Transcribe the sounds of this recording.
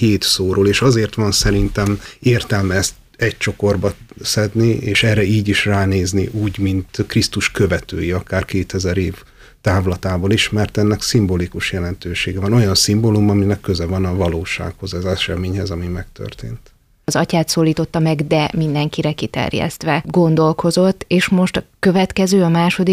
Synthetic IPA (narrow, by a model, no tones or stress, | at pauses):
heːt̪soːɾoːleːʃɒzeːrt̪ʋɒnsɛɾint̪ɛmeːrt̪ɛlmst̪ | ɛc̚t͡ʃo̞ko̞rbɒsɛd̪nieːʃɛrɛiːɟiʃraːneːzniʔuːɟmint̪krist̪uʃkøvɛt̪ø̰ːjiɒkaːrkeːt̪ɛzɛɾeːv | t̪aːvlɒt̪aːboliʃmɛrt̪ɛnːɛksimbolikuʃjɛlɛnt̪øːʃeːɡɛvɒno̞jɒnsimbolumɒminɛkːøzɛvɒnɒvɒloːʃa̰ːkho̞zɛzɛʃɛmeːɲhɛzɒmimɛk̚t̪ø̰rt̪ḛːnt̪ | ɒzɒcaːt̪soːlːiːt̪o̞t̪ːɒmɛɡd̪ɛmind̪ɛŋkiɾɛkit̪ɛ̰rjɛ̰st̪ʋɛɡo̞nd̪o̞lko̞zo̞t̪ːeːʃmo̞ʃt̪ɒkø̞vɛt̪kɛzøːɒmaːʃo̞d̪i